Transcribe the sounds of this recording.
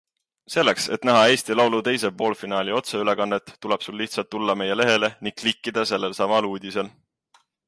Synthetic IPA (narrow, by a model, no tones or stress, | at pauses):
se̞lːekse̞̰t̪næɦɑe̞ːst̪ilɑwlut̪e̞jse̞po̞ːlfinɑːlʲio̞t̪se̞yle̞kɑnːet̪ːule̞b̥sulːiht̪sɑlt̪ːulːɑme̞je̞le̞ɦe̞le̞niŋɡ̥̚klikːid̪̥ɑse̞lːe̞lsɑmɑluːd̪̥ʲise̞l